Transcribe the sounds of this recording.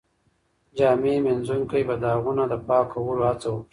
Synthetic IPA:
d͡ʒɑːmemenzuŋkajbad̪əɦaɣunad̪əpɑkawəlohat͡sawəki

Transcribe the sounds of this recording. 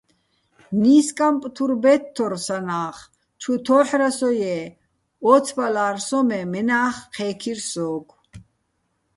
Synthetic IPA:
niːskʼampʼt̪ʰuɾbɛt̪ʰːɔɾsanaːχ | t͡ʃʰut̪ʰɔːħɾasɔjɛ | ɔt͡sʰbalaːɾsɔmɛmɛnaːχqʰɛːkʰiɾsɔːɡʰ

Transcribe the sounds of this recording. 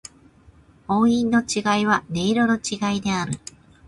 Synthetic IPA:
o̞ːĩnːo̞t͡ɕiɡaiβ̞ane̞iɾo̞no̞t͡ɕiɡaid̪e̞aɾɯ̟

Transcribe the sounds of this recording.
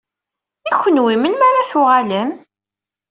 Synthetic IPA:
içʷːənwimənmaɾaθʊʁaləm

